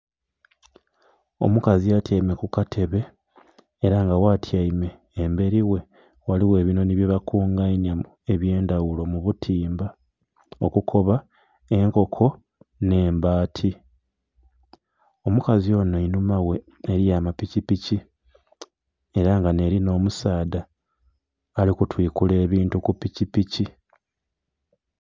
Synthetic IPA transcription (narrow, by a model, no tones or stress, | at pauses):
o̞̰mukaziatjaime̞kukatʰe̞βe̞ː | ɾaŋɡawaːtʰjaime̞ː | mbe̞ɾiwe̞ | waliwe̞ːβino̞niβiβakuːŋɡainjamu | e̞βje̞ːndawulo̞muβutʰiːmba | okukʰo̞βa | e̞ŋko̞kʰo̞ | ne̞ːmbaːtʰi | o̞mukazio̞noinumawe̞ː | ɾijamapicipici | e̞ɾaŋɡane̞ɾino̞ːmusaːda | likutwiːkule̞ːβiːntukupicipici